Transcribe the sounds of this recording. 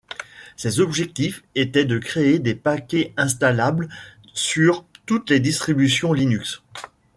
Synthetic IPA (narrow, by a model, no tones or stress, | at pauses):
sezɔbʒɛk̚t̪ifet̪ɛd̪əkχeed̪epakʲɛɛ̃st̪alabl | syʁt̪ut̪led̪ist̪χibysjɔ̃linyks